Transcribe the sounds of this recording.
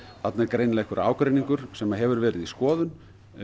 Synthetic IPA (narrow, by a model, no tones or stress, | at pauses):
θat̪nɛɾkɾejnlɛhkʏɾʔa̰ːwkɾejniŋkʏɾ̥sɛmaɦɛvʏɾvɛːɾɪðiskɔːðʏn